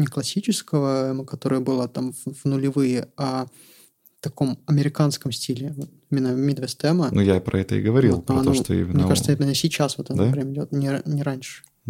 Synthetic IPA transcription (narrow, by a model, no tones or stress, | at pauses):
nʲɪklˠɐsʲit͡ɕɪskəvəɛməkɐt̪o̞ɾɨjəbɨlˠat̪amvvnʊlʲɪvɨjəa | t̪ɐko̞mɐmʲɪɾʲɪkanskəmsʲtʲilʲɪot̪imʲɪnːəmʲid̪vʲɛst̪ɛmənujapɾɐ̰ɛt̪ə̰ɪ̰ɡəvɐɾʲilˠlˠanoʂt̪o̰ḭmʲɪnmnʲekaʐɨt̪simʲɪnːəsʲɪt͡ɕasvot̪ɛt̪d̪pɾʲemʲɪdʲot̪nʲɪnʲɪɾanʲʂɨ̥